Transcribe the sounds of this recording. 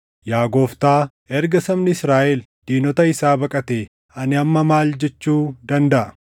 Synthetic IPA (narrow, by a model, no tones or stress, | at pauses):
jaːɡo̞ːft̪aːʔɛɾɡɐsɐmnɪɪsɾaːʔɛl | d̪̥iːnɔt̪ɐɪsaːbɐkʼɐt̪eː | ɐnɪɐmːɐmaːld͡ʒɛt͡ʃːuːd̪ɐnd̪ɐʔɐ